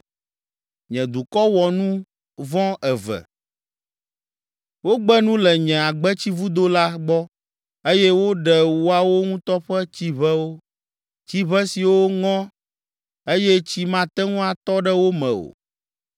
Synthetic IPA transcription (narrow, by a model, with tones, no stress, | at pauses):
ɲɛ̃˨d̪u˨kɔ˦wɔ˨nũ˦ | vɔ̃˦ɛ˨vɛ̰˨ | wo˦ɡ͡bɛ˦nũ˦lɛ˨ɲɛ̃˨a˨ɡ͡bɛ˦t͡ɕi˦vu˦d̪o˦la˦ɡ͡bɔ˦ | e˦jɛ˦wo˦ɖɛ˨wo˦a˨wo˦ŋũ˦t̪ɔ˦ɸɛ˦t͡ɕi˦βɛ˦wo˦ | t͡ɕi˦βɛ˦si˨wo˦ŋɔ̃˦ | e˦jɛ˦t͡ɕi˦mã˦t̪ɛ˦ŋũ˦a˨t̪ɔ˦ɖɛ˦wo˦mɛ̃˨o̰˨